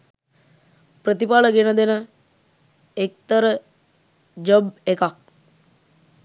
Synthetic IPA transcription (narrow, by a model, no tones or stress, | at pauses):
prət̪ipaləɡenəd̪enə | ek̚t̪əɾə | d͡ʒobekak̚